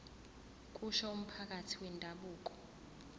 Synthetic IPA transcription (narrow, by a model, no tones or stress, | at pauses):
k̬ʼuʃɔum̩pʰak̬ʼatʰi̥wɛndʱaɓuːk̬ʼɔ̥